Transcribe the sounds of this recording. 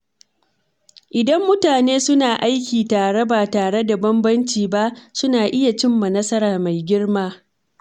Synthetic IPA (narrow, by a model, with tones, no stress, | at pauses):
ʔɪ˨dɐ˦mːʊ˦taː˨neː˦sʊ˦naː˨ʔa˦jkʲiː˨taː˨ɽe˦baː˨taː˨ɽe˦da˨bɐ˦mbɐ˦nt͡ʃiː˨ba˦ʔsʊ˦naː˨ʔɪ˦ja˨t͡ʃɪ˦mːɐ˨nɐ˦sɐ˦ɾaː˨ma˨jɡʲɪ˦rmaː˦